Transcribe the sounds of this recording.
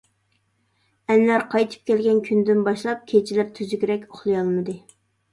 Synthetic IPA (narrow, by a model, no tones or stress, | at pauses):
ɛnlæɾqʰɑjt̪ʰɨ̥p̚kʲɛlɡʲɛnkʲʰynd̪ɪnbɑʃlˠɑp̚kʲʰet͡ʃʰilæɾt̪ʰyzyɡʲɾɛkʲoχlˠɨjɑlˠmɨd̪ɨ